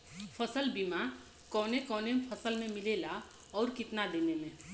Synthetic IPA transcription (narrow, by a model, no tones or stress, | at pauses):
pʰəsəlbima | kɔːnekɔːnepʰəsəlmẽmilela | ɔːɾkit̪nad̪enemẽ